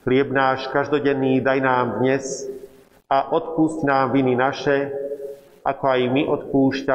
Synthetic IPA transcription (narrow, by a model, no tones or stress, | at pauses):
xlɪɛbnaːʃkaʒd̪ɔɟɛnːiːd̪ajnaːmd̪ɲɛs | aʔɔt̪puscnaːmʋininaʃɛ | a̰kɔajmiʔɔt̪puːʃca